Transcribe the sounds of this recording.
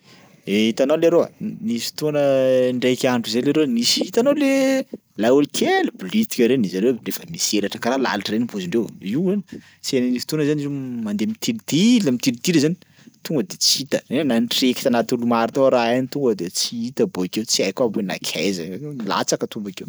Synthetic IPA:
eit̪analeaɾoa̰nisi̥t̪onəɳɖ͡ʐejkʲaɳɖ͡ʐuzeleɾewnisiit̪anowle | lajulikʰʲelubulit̪i̥kʲəɾenizaɾewrefəmiseɾaʈ͡ʂəkaɾala̰laʈ͡ʂəɾenipoziɳɖ͡ʐewiwani | t͡seninisi̥t̪onəzanizemand̪emit̪ilid̪iləmit̪ilid̪ilzani̥ | t̪uŋɡəd̪et͡sit̪əennanʈ͡ʂeki̥t̪anat̪ulumaɾit̪oɾaanit̪uŋɡəd̪et͡siit̪əboakewt͡siajkabena̰kʲʰajzala̰t͡sakət̪umbakew

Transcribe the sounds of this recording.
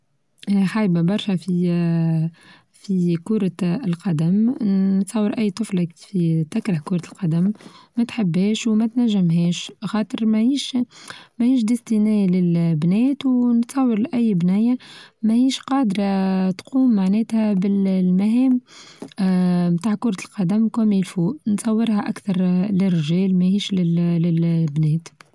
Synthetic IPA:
ʔħajbabɑɾˤʃɛfi | fikuːɾɑlqɑd̪æmnt̪sˤɑwːɑɾˤʔæjːt̪ˤʊflfit̪ækɾahkʊːɾɑlqɑd̪æmmæt̪ħɪbːɛːʃwmæt̪næʒːɪmɦɛːʃxɑːt̪ˤɨɾmæiːʃmæhiːʃ̬d̪ɪst̪inɛːlɪlbnɛːt̪wnt̪sˤɑwːəɾˤlʔæjːbnæjamæhiːʃqɑːd̪ɾˤɑt̪quːmːaʕnɛːt̪hæbɪlmæɦɛːm | mt̪aːʕkʊɾˤɑt̪əlqɑd̪æmkoːmilfuːʔnt̪sˤɑwːɪɾhæʔækθɑɾˤlɪrʒɛːlmæhiːʃlɪlɪlbnɛːt̪

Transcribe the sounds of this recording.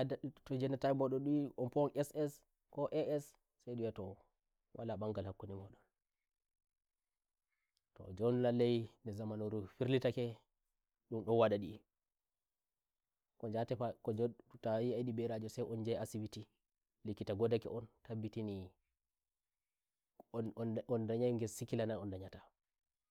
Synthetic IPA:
tɔd͡ʒɛnatamɔɗɔnɗuɔnpɔnɛsɛs | kɔʔɛɛs | sajɗujɛtɔ | wʔalabaŋɡalhakːunimɔɗɔn | tɔ̰d͡ʒɔnlalːɛjndɛzamanuɾufiɾlitakɛ | ɗumɗɔnwaɗaɗi | kɔd͡ʒatɛakɔd͡ʒtawiajɗibɛɾad͡ʒɔsajʔɔnd͡ʒɛjasiwiti | likːitaɡɔdakɛ̰ʔɔntabːitini | ɔndaɲajŋɡɛsikilananɔndaɲata

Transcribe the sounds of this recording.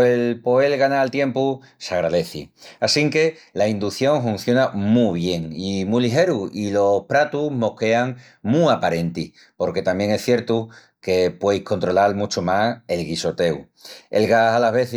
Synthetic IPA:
elpo̞elɣanalt̪jẽ̞mpu | saɣɾaðe̞θḭasiŋke̞laind̪uθjo̞ŋfun̟θjonamuβ̞je̞ŋimuliɦe̞ɾuilo̞hpɾat̪umo̞hke̞aŋ | muapaɾe̞nt̪ih | po̞ɾke̞t̪amje̞ŋe̞sθje̞ɾt̪u | ke̞pwe̞jhko̞nt̪ɾo̞lalmut͡ʃomase̞lɣiso̞t̪e̞u | e̞̰lɣasalaɦβe̞θ

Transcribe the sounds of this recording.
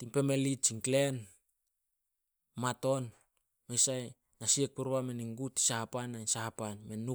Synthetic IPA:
timpe̞melit͡ʃiŋklen | mato̞n | mejsaj | nasiek̚puɾβame̞niŋɡutːi̥sahapanainsahapanmenːu

